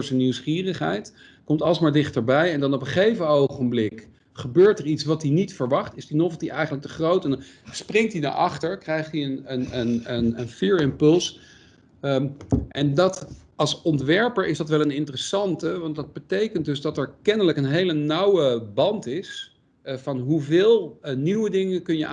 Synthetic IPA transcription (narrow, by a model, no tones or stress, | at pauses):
ɹzəniwsχiːrəχɦɛ̰jt | kɔmtɑləsmaːɹdɪχtəɹbɛjɛndɑnɔpəχejvəowχənblɪk | χəbøːɹtəritsʋɑt̚dinitfəɹʋɑχtɪzdinɔfˠdiʔɛjχənləktəχrowtɛndɑnsprɪŋtdida̰ɹʔɑχtəɹkrɛjχtiənənənənənfiːɹɪmpɵlˠs | ʔɛndɑtɑlˠsɔntʋɛɹpəɹʔɪzdɑtʋɛlˠənɪntərəsɑntəʋɑntdɑd̚bətejkənt̚dɵzdɑtɛɹkɛnələkənɦejlənawəbɑntɪs | vɑnɦuvɪːlˠniwədɪŋəkɵnjəʔ